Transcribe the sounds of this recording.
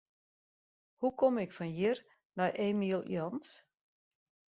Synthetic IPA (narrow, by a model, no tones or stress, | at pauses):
hukʰɔmɪkfɔnjir | nɔjʔeːmiəlˠj̰ɔns